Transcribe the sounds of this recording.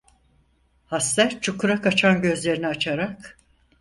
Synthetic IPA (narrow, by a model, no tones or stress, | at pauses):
hast̪æɾt͡ʃʰukʰuɾakʰat͡ʃʰanɟø̞zlʲe̞ɾiniat͡ʃʰaɾak